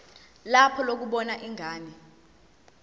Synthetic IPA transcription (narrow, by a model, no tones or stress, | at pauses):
lapʰɔlok̬uɓɔnaʔiŋʱaːni